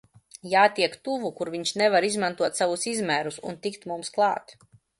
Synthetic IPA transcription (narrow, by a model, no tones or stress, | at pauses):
jaːt̪ʲiɛkt̪uvukuɾviɲʃnɛvaɾizmant̪uɔt̪savusizmæːɾusṵnt̪ikt̪mumsklˠɑːt̪